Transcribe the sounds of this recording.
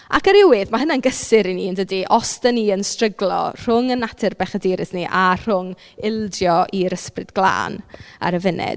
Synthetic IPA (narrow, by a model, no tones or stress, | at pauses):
a̰kəɾɪwɪðmaɦənanɡəsɪɾiniːəndədiʔɔstɛniːənstrəɡlˠɔ̰r̥ʊŋənːatʰɪrbɛχədiːɾɪsniʔar̥ʊŋ | ɪlˠdjɔʔiɾəsprɪdɡlˠa̰ːna̰ɾəvɪnɛ̰d̥